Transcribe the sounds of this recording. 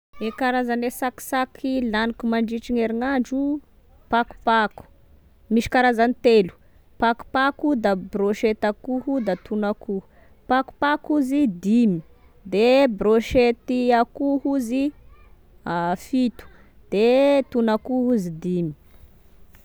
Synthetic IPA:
ekaɾazanesaki̥sakʰilanikumaɳɖ͡ʐiʈ͡ʂiŋeɾiŋaɳɖ͡ʐu | paku̥paku̥ | miʃi̥kaɾazanit̪elu̥ | paku̥pakud̪abroʃet̪akuɦud̪at̪ʰunaku | paku̥pakuzid̪imi̥ | d̪ebɾoʃet̪iakuhuzi | afit̪u̥ | d̪̥et̪unakuɦuzid̪imi̥

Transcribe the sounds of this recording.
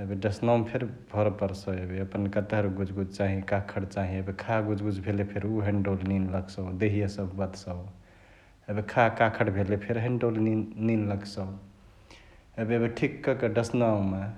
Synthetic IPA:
ebiɖəsnampʰeɾbʱɔɾpəɾsəebiəpənkət̪eɦɾuɡud͡ʒɡud͡ʒt͡ʃaɦĩkakʰəɽt͡ʃaɦĩebikʰaɡud͡ʒɡud͡ʒbʱelepʰeɾuɦẽɳɖolninləɡsəd̪eɦijesəbbət̪sə | ebikʰakakʰəʈbʱelepʰeɾɦẽɳɖolininləɡsə | ebiebiʈʰikːəkəɖəsnaw̃me

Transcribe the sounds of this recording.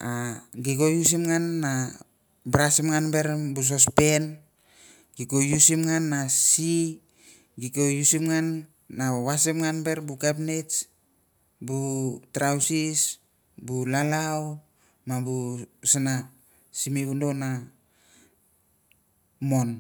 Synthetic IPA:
aɡiko̞jus̬imŋanːa | bɾasimŋanbe̞ɾbus̬ospe̞n | ɡikojusimŋanːasi | ɡiko̞jusimŋanː | awasimŋanbe̞ɾbukapnet͡ʃ | butɾawsis | bulalaw | mabusina | simibundona | mo̞n

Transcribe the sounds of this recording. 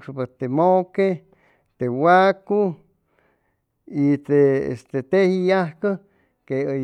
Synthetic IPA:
ʂpet̪emoke | t̪ewaku | it̪eḛst̪et̪ehijahkə | keə

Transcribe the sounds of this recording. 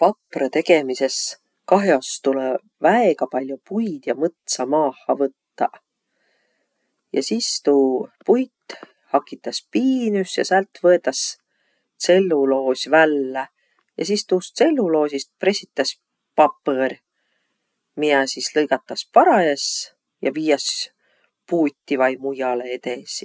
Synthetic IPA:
pɑpːret̪e̞ɡe̞mise̞s | kɑɦjost̪ule | væeɡ̥ɑpɑlʲjupujd̪̥jɑmɤt̪sɑmɑːhːɑvɤt̪ːɑ | jɑ̰sist̪uːpujt̪ː | hɑkːˑit̪ːˑɑspiːnysjɑ̰sælt̪ˑvɤe̞t̪ːˑɑs | se̞lːulo̞ːsʲvælːe | jɑ̰sist̪uːst̪se̞lːulo̞ːsʲist̪̚prɾe̞sit̪ːˑɑs | pɑpːər | miæsislɤjɡ̥ɑt̪ːˑɑspɑɾɑjes | jɑ̰viːjɑs | puːt̪ːivɑjmujɑleet̪esi

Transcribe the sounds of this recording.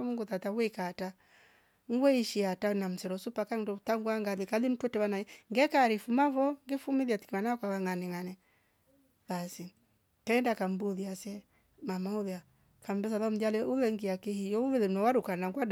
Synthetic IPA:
muŋɡutatawɛkata | ŋɡwɛiʃiatanam̩sɛɾɔsupakaŋdɔtaŋɡwaŋɡalikalim̩twɛtɛβanaɛŋɡɛkaɾifumavɔŋɡifumiðiati̥kimanakwaβaŋanɛŋanɛ | βasi | kɛːndakam̩buðiasɛ | mamauðɛa | kam̩bɛsalam̩dalɛulɛŋɡiakihijɔuβɛɛnɔwaɾukanaŋɡwad

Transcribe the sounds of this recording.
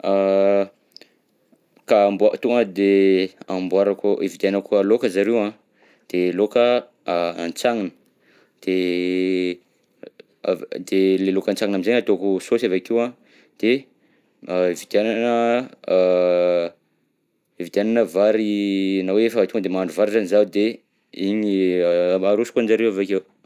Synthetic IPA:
a | kaːmbuat̪uŋəd̪eambuaɾakuʔivit̪anəkualokəzaɾewã | d̪̥elokə | ant͡saŋinə̥ | d̪̥e | d̪elelokant͡saŋinamizeɲat̪okusosavakiwã | d̪̥e | ivid̪jananə | ivit̪iananəvaɾinaweefəat̪uŋəd̪emaɳɖ͡ʐuvaɾizanizad̪e | iɲi | aɾusi̥kuand͡ʒaɾewavakew

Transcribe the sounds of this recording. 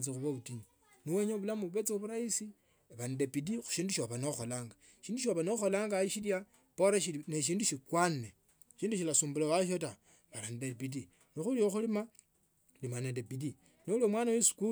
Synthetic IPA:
t͡sixuβauti | niweɲoβulamuuβet͡seoβuɾaisi | eβanidepidixu̥ʃiːnduʃoβanouxolaːŋɡa | ʃiːnduʃ̬oβanouxo̞laːŋɡaiʃilja | poɾaʃineʃ̬iːnduʃikwanːe | ʃiːnduʃ̬ilasuːmbulowaʃ̬ota | βalanidepidi | nixulioxulima | limanedepidi | noulomwaːnawesu̥ku

